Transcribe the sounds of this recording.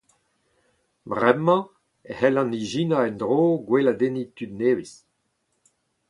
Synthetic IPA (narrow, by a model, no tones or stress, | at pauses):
bʁɛmɑ̃ | ehɛlɑ̃niʒiːnaɛnd̪ʁoːɡwelad̪enit̪yd̪neːvis